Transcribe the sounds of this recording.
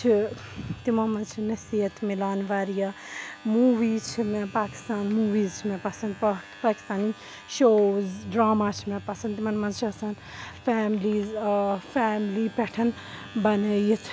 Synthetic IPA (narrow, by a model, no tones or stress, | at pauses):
t͡ʃʰit̪imɐnmɐnt͡ʃʰinɐsiɦɐt̪ʰmilaːnʋaɾijamuːʋiːt͡ʃʰimẽpaːki̥st̪aːnmuːʋiːzt͡ʃʰimẽpɐsɐnd̪ | paːki̥st̪aːni | ʃoːzɖɾaːmaːt͡ʃʰimẽpɐsɐnd̪t̪imɐnmɐnzt͡ʃʰiɐsɐn | fɛːmliːzfɛːmlipɛʈʰɐn | bɐnəjit̪ʰ